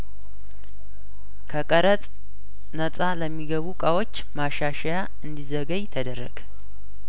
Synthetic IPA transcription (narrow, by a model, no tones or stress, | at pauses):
kʰəkʼəɾət̪ʼ | nət̪ʼaləmːiɡəβukʼawo̞t͡ʃːmaʃaʃaja | ɨnd̪izəɡəjt̪ʰəd̪ərːə̰ɡ̥